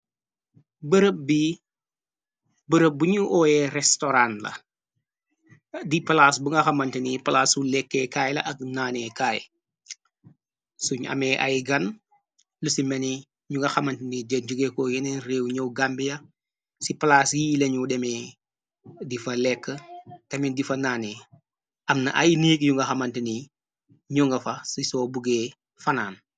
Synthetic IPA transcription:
bəɾəp̚bi | bəɾəp̚buɲuʔɔːjɛɾɛstoɾanlɐ̰ | dipɐlasbuŋɡɐxɐmɐntinipɐlaːsulɛkːɛkaːjlɐʔɐk̚naːnɛkaːj̰ | suɲɐ̰mɛːʔɐ̰jɡɐn | lusimɛni | ɲuŋɡɐxɐmɐntinid͡ʒed͡ʒuɡeːkoːjɛnɛnreːwɲowɡambijɐ | sipɐlasjileɲudɛmɛ | difɐlɛkːətɐmindifɐnaːnɛː | ʔɐmnɐ̰ʔɐjniːkjuŋɡɐxɐmɐntini | ɲɔŋɡɐfɐsisɔːbuɡɛː | fɐnaːn

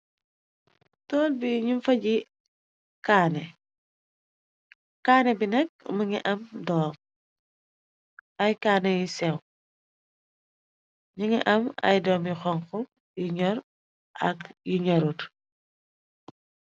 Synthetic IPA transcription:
tɔːlbiɲumfɐɟi | kaːne | kaːnebinɛk̚muŋiʔɐmdɔːm | ajkaːnejisɛw | ɲiŋiʔɐmɐ̰jdɔːmjixɔŋkɔ | jiɲɔɾ | ʔɐ̰kjiɲɔɾut

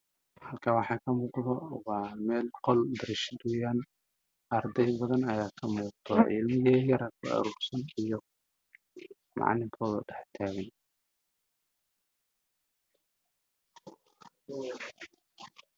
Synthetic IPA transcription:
hɐlkʰɐwɑħɑːkʰɐmuːqðɔwɑːmɛːlqɔld̪ɐɾɪʃd̪ujaːn | ʔɐrd̪ɛjbɐðɐnɐjaːkʰɐmuːqt̪ʰɔʕɪ̰lmɪɣɛːjɐɾakʰɐ̰ɐ̰ɾuːɾsɐnijɔ | mʔɑ̰ʕnɪmkʰɔːðɐ̰ɖɛħt̪ʰaːɣɪn

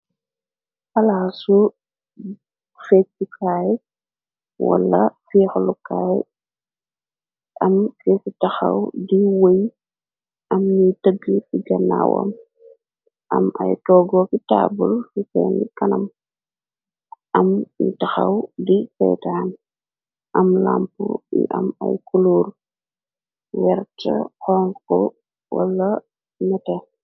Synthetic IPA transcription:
ɐlasu | fɛikʰaːj | wɐ̰lːɐ̰fixlukaːj | ʔɐmfɛsitɐxɐ̰wdiwoj | ʔɐmɲitəɡifiɡɐnːawo̰m | ʔɐmʔɐjtɔːɡɔkitaːbulfikɛnikɐnɐm | ʔɐmjutɐxɐwdikɛ̰ːtam | ʔɐmlampuḭʔɐmɐjkuluːr | wɛɾtɐhɔːŋkɔ | wɐ̰lːɐ | nɛtɛ

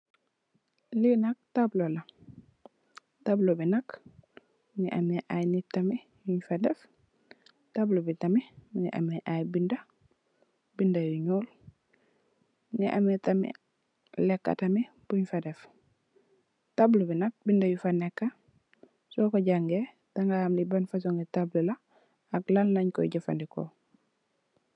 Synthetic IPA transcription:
linak̚tablolɐ | tablobinɐk | nḭʔa̰mɛʔajnitːɐmi | juɲfadɛf | tablobitaminiʔa̰mɛʔajbindɐ | bindajuɲuːl | ŋiʔa̰mitɐmḭ | lɛkːa̰tɐmi | b̥uɲfadɛf | tablubinɐk̚bindajufanɛkːa | sɔːkɔɟaŋɡe | taŋɡahamlibɐnfas̬ɔŋɡitablula | aklalnaɲkɔ̰ɟafa̰ndikɔ̰

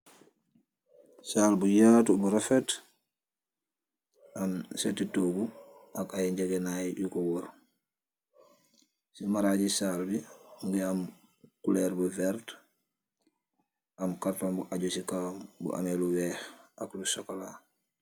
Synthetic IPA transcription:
saːlbujatubuɾafet | amsetitoɡuakajeɲɟeɡenajjukowoɾ | simaɾaɟisaːlbiŋɡiam | kuleɾbuveɾt | amkaɾtombuʔaɟusikambṵʔa̰meluweːxaklusokola

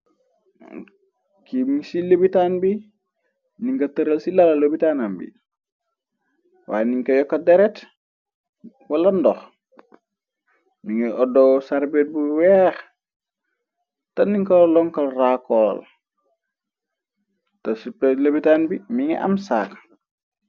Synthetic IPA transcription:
kimiŋsilebitanbi | niŋkɐtɐɾəlsilalɐlobitaːnambḭ | wa̰ːjeniŋkɐjɔkːɐdeɾɛt | walɐndɔx | miŋɛʔɔdɔwsaɾbet̚buwɛx | tɐniŋkɐlɔŋkɐlrakɔːl | tɐsipelebitaːnbimiŋɛ̰ʔa̰msa̰ːk

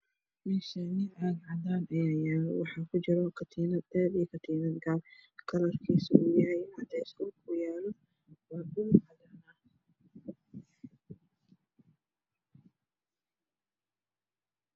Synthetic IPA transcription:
mɛːʃɐnɪʔaːd̪ʕɑd̪aːnɐjaːjaːlwɑħɑːkʰʊt͡ʃɪɾɔkʰɐt̪ʰiːnɐd̪ɛːd̪ijɔkʰɐt̪ʰiːnɐd̪ɡaːbkʰɐlɐrkʰiːsʊuːjɐɦɛjɐt̪ʰɛɪskuːkʰʊjaːlɔ | wabʊʕɑd̪anaːn

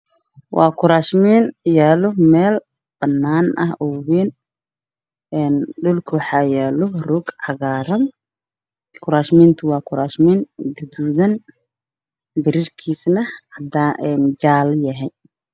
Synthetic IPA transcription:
wʔɑ̰ːkʰʊɾaːʃmiːnjaːlɔmɛːl | b̥ɐnːaːnʔɐ̰hɔwiːn | ɛːnɖʊlkʰʊwħɑːjaːlɔrʊɡʕɑɣaːɾɐn | kʰʊɾaːʃmiːnt̪ʰʊwɑːkʰʊɾaːʃminɡɐd̪uːðɐn | bɪɾɪrkʰiːsnɐhɐd̪aːʔɛnd͡ʒaːljɐɦɛj

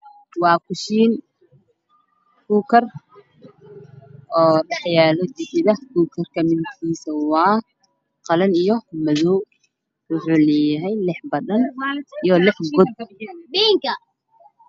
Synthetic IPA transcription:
wɑːkʰʊʃiːn | kuːkʰɐr | ʔɔːɖɑħjaːlɔd͡ʒɪʔɪðɐhkuːkʰɐrkʰɐmɪnk̪ʰiːsɐwɑː | qɑlɐnijɔmɐðɔw | wʊħuːlɛːjɐɦɛjlɪħbɐðɐnijɔlɪħɡʊd̪iːŋkɐ

